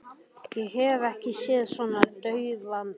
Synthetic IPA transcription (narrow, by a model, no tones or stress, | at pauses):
jɛɣhɛvɛhcɪsɛːðsvɔnat̪œɥvan